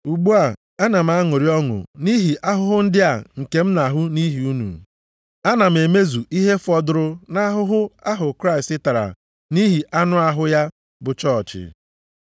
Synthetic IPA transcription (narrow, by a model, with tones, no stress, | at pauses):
u˨ɡ͡bu˦a˨ | a˦na˨m̩˦a˦ŋʊ˨ɾi˦ɔ˦ŋʊ̰˨ni˦ɦi˨ʔa˦ɦʊ˦ɦʊ˦n̩˦dɪ˦a˨ŋ̩˨ke˨m̩˦na˨ɦʊ˦ni˦ɦi˨u˦nṵ˨ | a˦na˨m̩˨e˨me˦zu˨i˦ɦe˦fɔ˦dʊ˦ɾʊ˦na˦ɦʊ˦ɦʊ˦a˦ɦʊ˨kɾa˦ɪ˨stɪ˦ta˨ɾa̰˨ | ni˦ɦi˨ʔa˦nʊ˦a˦ɦʊ˦ja˦ | bʊ˨t͡ʃɔː˦˨t͡ʃɪ̰˨